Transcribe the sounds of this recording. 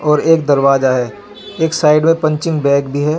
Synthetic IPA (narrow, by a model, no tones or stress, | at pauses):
ɔːɾeːkd̪ɐɾʋaːzaɦɛː | eːksaːɪɖmẽpɐ̃ɲt͡ʃɪ̃ŋɡbɛ̃ːkbʱiɦɛː